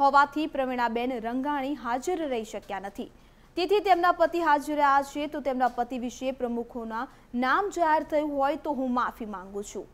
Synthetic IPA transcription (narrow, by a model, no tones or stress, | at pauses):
ɦɔʋat̪ʰipɾəʋiɽ̃abenɾəŋɡaɽ̃iɦad͡ʒəɾːəɦiʃəkjanət̪ʰi | t̪et̪ʰit̪emnapət̪iɦad͡ʒəɾaʃʰet̪ot̪emnapət̪iʋiʃepɾəmukʰona | namd͡ʒaɦeɾt̪ʰəjũɦɔjt̪oɦũmafimãŋɡũt͡ʃʰṵ̃